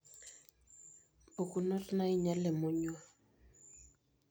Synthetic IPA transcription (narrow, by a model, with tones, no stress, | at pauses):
o˨ku˨nɔ˦tna˦i˦ɲa˦lɛ˨mʊ˦ɲu˦a˦˨